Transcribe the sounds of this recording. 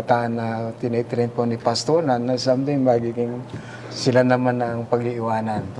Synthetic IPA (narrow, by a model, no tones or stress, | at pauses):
t̪aʔanːɐt̪ɪnɛt̪ɪɾɛnponɪpast̪oɾnanasamt̪ɪmmɐɡiɡɪŋ | sɪlanɐmanɐŋpɐɡɪʔɪwaːnan